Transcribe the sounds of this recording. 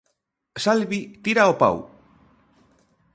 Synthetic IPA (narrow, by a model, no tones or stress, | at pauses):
salβit̪iɾaopa̰w